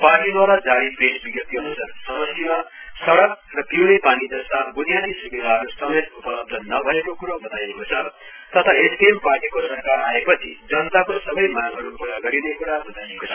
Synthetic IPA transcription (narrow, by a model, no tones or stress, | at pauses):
parʈid̪waɾad͡zaɽipesbiɡʌt̪iɦʌnut͡sʰʌnsʌmʌsimasʌɽʌk̚rʌp̪iwnepanid͡zʌst̪abunjat̪isubid̪ʱaɦʌɾusʌmet̪upʌlʌb̚d̪ʱʌnʌbʱʌekokuɾobʌt̪ajekot͡sʰʌ | t̪ʌt̪ʰaesemparʈikosʌrkaɾaepʌt͡sʰḭd͡zʌnt̪akosʌbʌjmaɡʱʌɾupuɾʌɡʌɾinekuɾabʌt̪ajekot͡sʰʌ